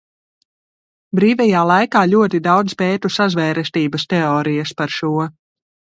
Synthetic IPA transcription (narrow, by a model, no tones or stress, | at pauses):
bɾiːvɛjaːlˠajkaːlʲuɔt̪id̪awd̪spɛːt̪usazvɛːɾɛst̪iːbɐst̪ɛɔːɾijɐspaɾʃuɔ